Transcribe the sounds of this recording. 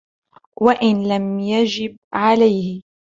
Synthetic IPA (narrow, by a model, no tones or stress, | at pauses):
waʔɪnlamjad͡ʒɪb̚ʕalajhɪ